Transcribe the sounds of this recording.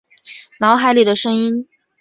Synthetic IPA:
nɑ˧˥xa˧˥ɪli˥˩d̪ə˩ʂɤ˥ŋi˥n

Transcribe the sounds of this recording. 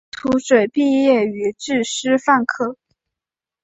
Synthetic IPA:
t̪ʰu˧˥ʂwe˨˩ɪpi˥˧jɛ˥˩y˧˥ʈ͡ʂɻ̩˥˩ʂɻ̩˥fa˥˧nkʰɤ˥˩

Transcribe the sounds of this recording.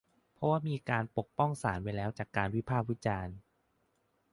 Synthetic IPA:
pʰɾɔ˦˥waː˥˩miː˧kaː˧npo˨˩k̚pɔ˥˩ŋsaː˩˦nwa˧jlɛː˦˥wt͡ɕaː˨˩kːaː˧nwi˦˥pʰaː˥˩k̚wi˦˥t͡ɕaː˧n

